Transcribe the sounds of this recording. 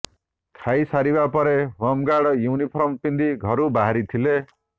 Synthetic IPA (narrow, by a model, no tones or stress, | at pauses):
kʰajsaɾibapʌɾewʌmɡaɽʌjunipʰʌɾʌmpind̪iɡʱʌɾubaɦaɾit̪ʰile